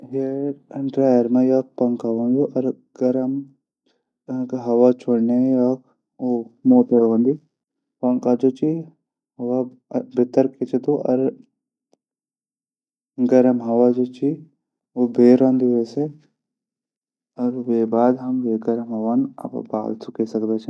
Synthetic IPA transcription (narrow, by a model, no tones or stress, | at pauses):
ɦeɾɖɾaːjəɾmãjaːpɐŋkaʋand͡ʒoʔɐɾ | ɡɐɾɐm | kɦɐʋat͡ʃʰoɽnejaːk | omoːt̪eɽãːnd̪i | pɐŋkad͡ʒoːt͡ʃi | ɦɐʋa | bɪt̪əɾket͡ʃʰet̪oːʔɐ̰ɾ | ɡɐɾəmɦɐʋad͡ʒoːt͡ʃi | obʱeːɾõːnd̪iʋeːse | ɐɾʋeːbaːd̪ɦɐmʋeːɡɐɾəmɦɐʋanɐ̰ba̰ːlsʊkesɐkd̪et͡ʃʰː